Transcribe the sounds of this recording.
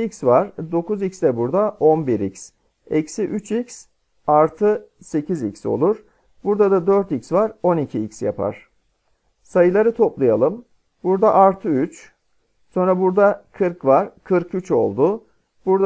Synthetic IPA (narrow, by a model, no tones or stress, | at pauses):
icʲsvaɾ̥d̪o̞kuzicsd̪ɛbuɾd̪aʔo̞nbiɾḭcs | ɛcsiʔyt͡ʃʰics | aɾt̪ʰɯse̞cʰizicso̞̰lˠuɾ | buɾd̪ad̪ad̪øɾt̪icsvaɾo̞nicʰiicsja̰pʰa̰ɾ̥ | sajɯlˠaɾɯt̪ʰo̞plˠajalˠɯm | buɾd̪aʔaɾt̪ʰɯyt͡ʃ | so̞nɾabuɾd̪akʰɯɾkvaɾ̥kʰɯɾkyt͡ʃo̞̰lˠd̪ʊ | buɾd̪